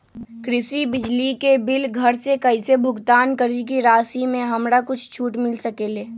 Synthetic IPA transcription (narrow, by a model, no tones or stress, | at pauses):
kɾɪsibɪd͡ʒlikebɪlɡʱɐɾsekɐisebʱʊɡt̪aːnkəɾik̬iɾaːsimẽɦɐmɾakʊt͡ʃʰt͡ʃʰuːʈmɪlsəkeːleː